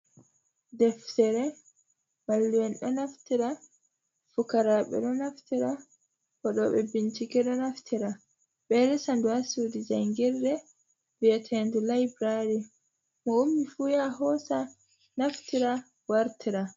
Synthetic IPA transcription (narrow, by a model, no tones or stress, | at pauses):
dɛftɛɾɛ | malːiwɛnɗɔnaftiɾa | fukaɾaɓɛ̰ɗɔnaftiɾa | kɔɗɔɓɛ̰bint͡ʃikɛɗɔnaftiɾa | ɓɛɾɛsanduhasudid͡ʒaŋɡiɾdɛ | viɛtʰɛndulajbɾaɾi | mɔumːifujaɦɔsa | naftiɾa | waɾtiɾa